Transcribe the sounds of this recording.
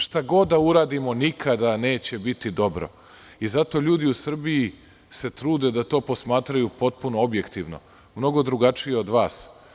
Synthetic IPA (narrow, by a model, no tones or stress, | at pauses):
ʃt̪aɡo̞d̪dːauɾaːd̪imo̞nikʰad̪ane̞ːt͡ɕebit̪id̪o̞bɾo̰ | izat̪o̞ːʎuːd̪iusr̩bii | se̞t̪ɾuːd̪ed̪at̪o̞ːpo̞smaːt̪ɾajupo̞t̪̚punoobje̞kt̪iʋno̞̰ | mno̞ɡo̞d̪ɾuɡat͡ʂijeo̞d̪ʋaːs